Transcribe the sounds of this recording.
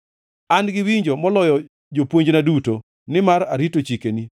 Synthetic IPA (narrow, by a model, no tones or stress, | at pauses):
anɡɪwiɲd͡ʒɔmɔlɔjɔ | d͡ʒopwoɲd͡ʒnaduto | nɪmaɾaɾitot͡ʃikeni